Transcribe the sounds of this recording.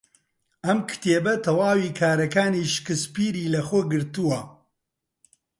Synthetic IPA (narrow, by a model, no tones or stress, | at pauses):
ɐmkʰɨ̥t̪eːbɐt̪ʰɐwaːwiːkʰaːɾɐkaːniːʃkɨspiːɾiːlɐxoɡɨɾt̪uwɐ